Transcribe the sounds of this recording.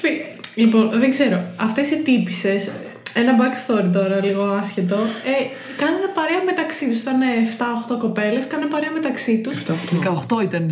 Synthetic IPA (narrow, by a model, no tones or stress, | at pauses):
fi | lipo̞nðeɡze̞ɾo̞ɐft̪esiet̪ipise̞s | enɐbɐkst̪oɾit̪̬o̞ɾɐliɣo̞ɐsçet̪o̞e | kɐnenɐpɐɾeɐme̞t̪ɐksit̪usit̪ɐneːft̪ɐoxt̪o̞ko̞pe̞le̞skɐnnɐpɐɾeɐmet̪ɐksit̪ust̪t̪kɐoxt̪oit̪ɐn